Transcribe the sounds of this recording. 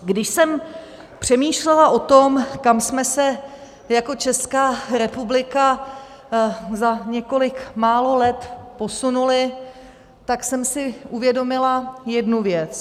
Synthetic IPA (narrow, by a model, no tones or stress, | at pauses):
ɡdɪʃsɛm | pr̝̥ɛmiːʃlɛlaʔo̞t̪o̞mkamsmɛsɛ | jako̞t͡ʃɛskaːɾɛpublɪka | zaɲɛko̞lɪkmaːlolɛt̪po̞sunulɪ | t̪aksɛmsɪʔuvjɛdo̞mɪlajɛdnuvjɛt͡s